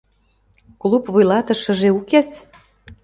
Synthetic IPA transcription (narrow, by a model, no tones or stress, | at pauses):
klˠupvujlɑt̪ɤ̆ʃə̆ʒeukes